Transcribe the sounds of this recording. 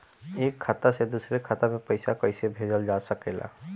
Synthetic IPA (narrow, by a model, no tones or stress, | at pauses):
eːkʰːat̪ased̪usɾekʰat̪amepəɪsakəɪsebʱed͡ʒəld͡ʒasəkela̰